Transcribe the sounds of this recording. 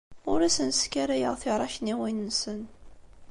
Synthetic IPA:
ʊɾæsənskːæɾæjəʁθɪɾˤɑçniwinːsən

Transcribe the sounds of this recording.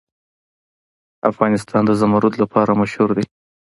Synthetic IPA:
afɣɑnɪst̪ʰɑnd̪əzamaɾud̪lapʰɑɾamaʃhuɾd̪e

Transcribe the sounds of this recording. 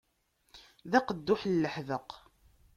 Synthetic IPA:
ðæqəd̪ːʊħlːəħðəq

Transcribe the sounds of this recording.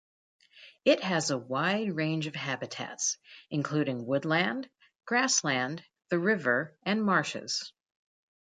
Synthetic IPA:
ɪt̚hɨzəwaɪd̚ɹẽɪ̃nd͡ʒʌv̥ɦæbɨtʰæ̰tsɨ̃nkʰl̥ʉɾɪ̃ŋwʊdˡlæ̃nd | ɡ̥ɹæslæ̃n | ðɨɹɪvə˞ɨ̃nmɑɹʃɨ̰z̥

